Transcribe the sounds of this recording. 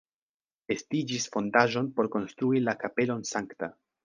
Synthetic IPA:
e̞stid͡ʒisfo̞ndaʒo̞npo̞ɾko̞nst̪ɾuilakape̞lo̞nsaŋkta

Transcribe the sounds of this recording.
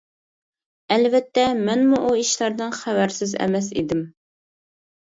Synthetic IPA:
ælvɛt̪ːɛmɪnmuʔuiʃlæɾd̪ɨnχævæɾsɪzæ̰mɛsḭd̪ɪm

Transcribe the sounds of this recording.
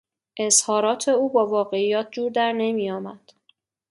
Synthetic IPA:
ʔe̞zhɒːɾɒːt̪ʰe̞uːbɒːvɒːɣe̞iːjɒːt̪̚ʰd͡ʒuːɾd̪æɾne̞miːjɒːmæd̪̥

